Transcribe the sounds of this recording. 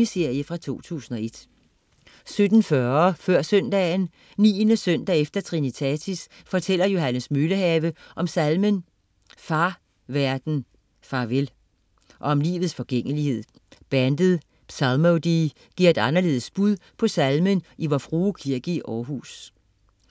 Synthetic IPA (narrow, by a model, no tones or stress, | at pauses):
ise̝ɐ̰jəfʁɑ̈t͡sʰo̝̰ːt͡sʰṵːsn̩ɒ̽e̝d̥ | sød̥n̩fɶfɶɐ̰sœn̰d̥ɛn | nḭːnəsœn̰d̥æefd̥ɐt͡sʰʁinit͡sʰɛt͡sʰis | fɒ̽t͡sʰel̰ɐjo̝ɦænəsmyləɦɛːʋəʔɒ̽msælmən | fɑ̈ː | ʋæɐd̥n̩ | fɑ̈ʋel | ʔɒ̽ɒ̽mlḭːʋð̩ˠsfɒ̽ɡ̥eŋ̰əlihe̝ð̰ˠ | b̥ænd̥ð̩ˠ | sɑlmod̥i | ɡ̥iɐ̰e̝d̥ɑ̈nɐle̝ːð̩ˠsb̥uðˠpʰɒ̽sælmənʔiʋɒfʁuːkʰiɐɡ̥iʔɒːɦṵːs